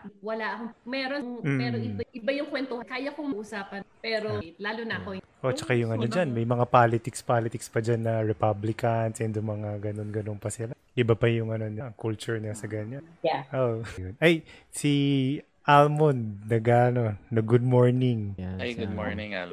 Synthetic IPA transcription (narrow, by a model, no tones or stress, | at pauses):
wɐlaʔɐkomɛːɾonŋɛɾoʔɪbaʔɪbajʊŋkwɛnt̪ohɐkaːjɐkoŋmɐʔusaːpɐnpɛːɾolaːlʊnɐɐko | ʔot͡ʃɐkajʊŋʔɐnod͡ʒanmɐjmɐŋapalɪt̪ɪkspalɪt̪ɪkspɐd͡ʒanːɐɹɛpablɪkɐnshɪnd̪ʊŋmɐŋaɡɐno̞nɡɐnonpɐsɪla | ʔɪbapɐjʊŋɐno̞nɐʔɐŋkult͡ʃʊɹnɐsɐɡɐɲanaʔojonʔɐj | si | ʔalmond̪̚nɐɡaɐno̞ːɐɡʊd̪̚moɹnɪŋɡʊonɪŋ